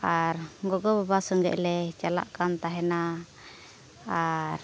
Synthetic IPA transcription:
aɾɡɔɡɔbabasɔŋɡɛ̰ʔlɛt͡ʃala̰ʔkant̪aɦɛna | aɾ

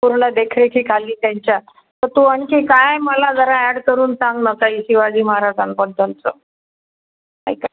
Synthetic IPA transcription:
puɾɳəd̪ekʰɾekʰiːkaliːt̪jaɲt͡ɕja | t̪əɾt̪uəɳkekajməlad͡zəɾaæɽkəɾuːnsaŋɡnət̪aiɕiʋad͡ʑiːməɦaɾasanpənt̪ənt͡sə̰ | a̰jka

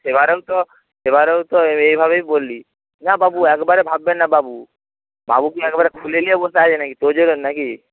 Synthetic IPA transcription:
sebaɾeut̪ɔ | seβaɾeut̪ɔeibʱaβeibolːi | nababuɛkbaɾebʱabːenːababu | ba̰bukiɛkbaɾekʰulelijebot̪ad͡ʒenakit̪od͡ʒoɾonːaki

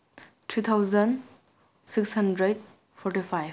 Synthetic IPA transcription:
tʰɾit̪ʰawzɐn | sikshandɾed̚ | pʰɔɾʈipʰaj

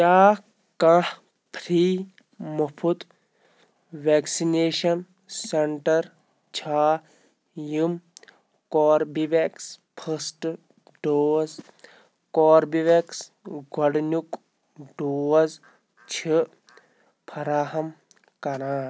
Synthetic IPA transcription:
jaː | kãh | pʰɾiː | mɐpʰut̪ | ʋeːksineːʃɐn | sɐɳʈɐɾ | t͡ʃʰaː | jum | kɔːɾbiʋekspʰɐsʈ | ɖoːz | kɔːɾbiʋeks | ɡʱɐɽnuk | ɖoːɐz | t͡ʃʰi | pʰɐɾaːɦɐm | kɐɾãː

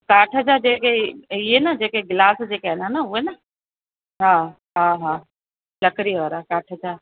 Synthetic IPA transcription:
kaːʈʰəd͡ʑaːd͡ʑeːkeiɦenɐd͡ʑeːkeɡlaːsd͡ʑeːkːɦenanəuenɐ | ɦaː | ɦaːɦaː | lɐkəɾiəːɾakaːʈʰəd͡ʑaː

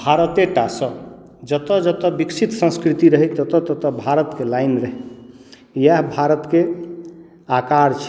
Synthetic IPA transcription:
bʱaɾət̪eʈasə | d͡ʒət̪ɔd͡ʒət̪ɔbiksʰit̪sə̃skɾit̪iɾəɦɛt̪ət̪ɔt̪ət̪ɔbʱaɾət̪kelainɾəɦi | jaɦbʱaɾət̪ke | akaɾt͡ʃʰ

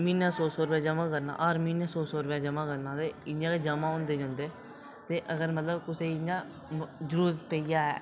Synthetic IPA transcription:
miːnãːsɔːsɔːɾʊpjaːd͡ʒəmãːkəɾna̰ːʔəːɾmiːnjãːsɔːsɔːɾʊpaːd͡ʒəmãːkəɾnãːt̪eːɪjãːked͡ʒəmãːõːnd̪eːd͡ʒãːnd̪eː | t̪eːʔəɡəɾmət̪ləbkʊseːɪjãː | zəɾuːɾt̪peijaːɦɛ̰ː

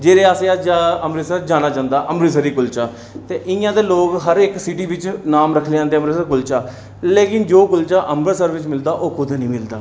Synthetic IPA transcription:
d͡ʒeːɾeːaːseːad͡ʒaːəmɾiːsəɾd͡ʒaːnaːt͡ʃãːnd̪aːʔəmbɾiːs̬əɾiːkʊlt͡ʃaː | t̪eːʔɪjãːd̪eːloːkɦəɾɪksɪʈiːʋɪt͡ʃnaːmɾəkʰleãːnd̪eːəmɾəsəɾkʊlt͡ʃaː | leːkɪnd͡ʒoːkʊlt͡ʃaːʔəmbəɾsəɾʋɪt͡ʃmɪld̪aːʔoːkʊd̪nĩːmɪld̪aː

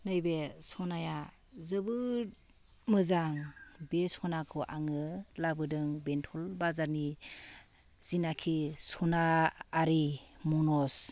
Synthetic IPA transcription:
nɯjbesɔnaja | zɯbɯɾ | mɯzaŋbesɔnakʰɔʔaŋɯlabɯdɯŋbentʰɔlbazaɾni | z̥inakʰisɔnaːɾimɔnɔs

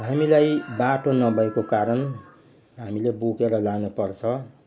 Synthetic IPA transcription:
ɦamilajbaʈonʌbʱʌekokaɾʌn | ɦamilebukeɾʌlanupʌrt͡sʰʌ

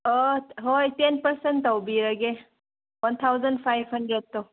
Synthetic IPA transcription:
ɔɦojtenpɐɾsentːɐwbiɾɐɡe | wɐnt̪ʰawzɐndpʰajbhɐndɾed̚to

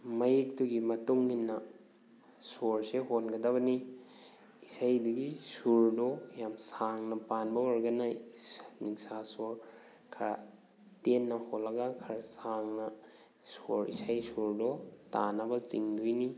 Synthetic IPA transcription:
mɐjik̚tuɡimɐtuŋːinːɐ | soɾseɦonɡɐdɐβɐni | isajdɐɡisuɾdojamsaŋnɐpanbɐwɔɾɡɐnɐ | niŋsasoɾ | kʰɐɾa̰ | tenːɐholːɐɡakʰɐɾasaŋnɐ | soɾḭsajsuɾdota̰nɐbɐt͡ʃiŋdujni

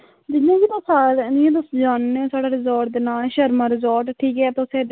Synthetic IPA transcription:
d͡ʒɪãːɡit̪ãːsaːnɪjãːt̪ʊsd͡ʒaːnːẽːsaːɽaːɾɪzɔːɾʈ̚d̪eːnaːlʃəɾmãːɾɪzɔːɾʈʈʰiːkɦɛːt̪ːseː

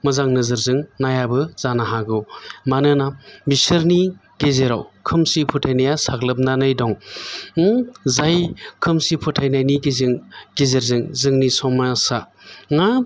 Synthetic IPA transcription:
mɐzaŋnɯzɯɾzɯŋnajabɯzanaɦaɡɯwmanɯnabisɯɾni | ɡezeɾa̰wkʰɯmsipʰutʰajnajasaklɯp̚nanajdɔŋ | zajkʰɯmsipʰɔtʰajnajniɡezɯŋɡezeɾzɯŋzɯŋnisɔmasa | ŋa

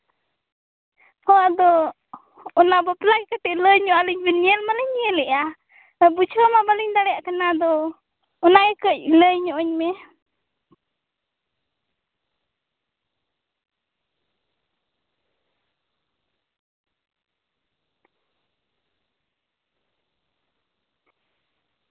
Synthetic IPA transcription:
hɔwaʔd̪ɔ | ɔnabɔplakɛkəʈ̪ɛʔləjɲɔʔaləɲbɛniɛlmaləɲɛlɛʔa | but͡ʃʰɾamabaliɲd̪aɽɛjaʔkanad̪ɔː | naɛkəc̚ləjɲɔʔɔɲmɛ

